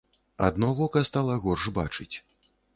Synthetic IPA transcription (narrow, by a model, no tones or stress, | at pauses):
a̰d̪nɔvɔkɐst̪alˠɐɣɔrʐba̰t͡ʂɨt͡sʲ